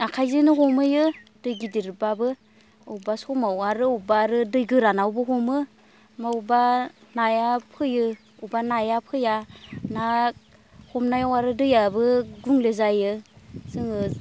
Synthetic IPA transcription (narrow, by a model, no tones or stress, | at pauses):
akʰajzɯnɯɦɔmɯjɯdɯjɡidiɾbabɯ | owbasɔmawaɾɯubaɾɯdɯjɡɯɾanawbɯɦɔmɯ | mawbanajapʰɯjɯ | ubanajapʰɯjana | hɔmnajawaɾɯdɯjabɯɡuŋlezajɯsɯŋɯ